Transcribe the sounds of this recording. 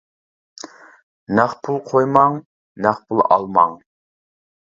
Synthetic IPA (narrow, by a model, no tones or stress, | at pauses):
næχpʰulˠqʰojmɑŋ | næχpʰulˠɑ̰lˠmɑŋ